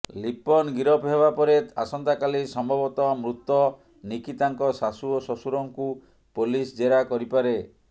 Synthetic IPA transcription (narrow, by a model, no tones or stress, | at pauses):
lipɔnɡiɾɔpɦebapɔɾet̪asɔnt̪akalisɔmbʱɔbɔt̪ɔmɾut̪ːɔ | nikit̪aŋkɔsasuosɔsuɾɔŋku | polisd͡ʒeɾakɔɾipaɾe